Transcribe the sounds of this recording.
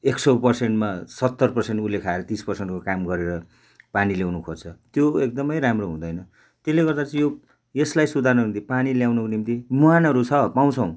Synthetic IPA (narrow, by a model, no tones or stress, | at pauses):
eksʌpʌrseɳʈmasʌt̪ːʌrpʌrseɳʈulekʰaeɾʌt̪ispʌrseɳʈkokamɡʌɾeɾʌ | paniljawnukʰort͡sʰʌt̪joek̚d̪ʌmʌjɾamroɦũd̪ʌjnʌ | t̪eleɡʌrd̪at͡sʌ̃jo | eslajsud̪ʱarnʌimt̪ipaniljawnʌkonimt̪imuanɦʌɾut͡sʰʌpaw̃t͡sʰʌ̃w̃